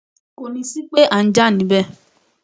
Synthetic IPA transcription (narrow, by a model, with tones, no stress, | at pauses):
ko˨nĩ˧si˦k͡pe˦ʔa˨n̩˦d͡ʒa˦˨nĩ˨˦bɛ˦